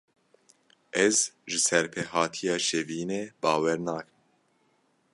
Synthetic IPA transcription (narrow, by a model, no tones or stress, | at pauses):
ʔɛzʒɨsɛɾpʰɛhɑːt̪ʰijɑːʃɛviːneːbɑːwɛɾnɑːk